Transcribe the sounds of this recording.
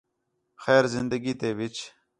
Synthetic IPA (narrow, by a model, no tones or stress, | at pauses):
xeːɾzɪnd̪ɐɡiːt̪eːvit͡ʃ